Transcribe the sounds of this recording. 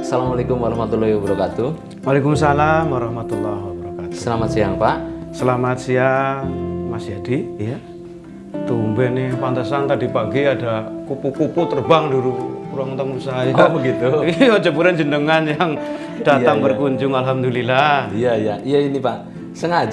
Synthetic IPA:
salamalekʊmwaɾaɦmat̪ulahwabəɾakat̪u | walekumsalamwaɾɑhmat̪ulːahwabaɾakat̪u̥səlamat̪siaŋpaʔsəlamat̪̚sia | masiɦad̥ija | t̪umbɛnepant̪əsant̪adipaɡiadakupukuput̪ərbaŋduɾukuɾaŋt̪əŋusajabəɡit̪uod͡ʒɔbuɾand͡ʒənəŋanjaŋ | d̥at̪aŋbərkuɲd͡ʒʊŋalɦamd̪ulilaijaijaijainipaʔ | səŋa

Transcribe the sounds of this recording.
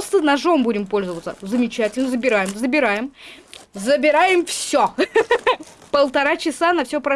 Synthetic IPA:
st̪ənɐʐo̞mbudʲɪmpo̞lʲzəvət̪səzəmʲɪt͡ɕætʲɪlʲnəzəbʲɪɾajɪmzəbʲɪɾajɪm | zəbʲɪɾajɪmfssʲo | pəlˠt̪ɐɾat͡ɕɪsanɐfsʲɵpɾɐ

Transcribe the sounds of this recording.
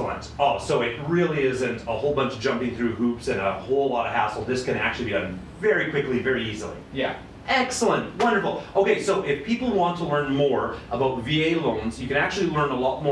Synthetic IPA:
l̩ə̰̃ntoʊsoʊɪt̚ɹɪlˠiɪzɨ̃ntəhoʊlˠbʌ̃nt͡ʃd̥ʒ̥ʌ̃mpɪ̃ŋθɹʉhupsɨ̃nəhoʊlˠlɔɾʌ̥hæ̰sl̩ˠd̪ðɪskɨ̃ñæ̰k̚t͡ʃʉl̩ˠibidʌ̃n | vɛɹikʰw̥ɪklivɛɹiizl̩ˠḭjæ | ʔɛksl̩ˠə̃nt̚wʌ̃ndə˞fl̩ˠʔoʊkeɪsoʊʔɪfpʰipl̩ˠwɑ̃ntʰəlɜ̃˞nmɔɹʔəbaʊtvieɪlõʊ̃nzjɨkɨ̃ñæk̚t͡ʃʉl̩ˠilɜ̃˞nəlɔt̚mɔ

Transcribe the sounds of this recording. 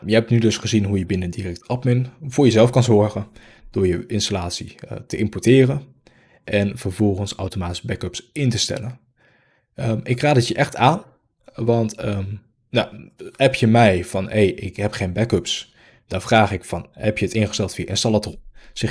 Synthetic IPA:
jəɦɛp̚tnydɵsχəzinɦujəbɪnəndirɛk̚tɑpmɪnvʊːɹjəzɛlˠfkɑnzɔɹχən | d̥ʊːɹjəʔɪnstalaːtsitəʔɪmpɔtɪːrən | ʔɛnvəɹvɔlˠχənsa̰wtomaːtisbɛkɵpsɪntəstɛ̰lən | əɪkraːdətjəʔɛχtaːn | ʋɑntəm | naɛpjəmɛjvɑnejʔɪkɦɛpχejnbɛkøps | d̥ɔnvraːχɪkfɑnhɛpjəətɪnχə̥stɛlˠtfiːʔɛ̰nstɑlˠətsɪ

